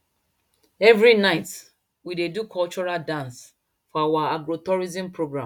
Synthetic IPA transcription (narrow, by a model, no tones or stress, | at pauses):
ɛvɹinaɪt | widedukʰɔlt͡ʃɔɹaldãns | fɔawaaɡɹotɔɹizĩmpɹoɡɹãm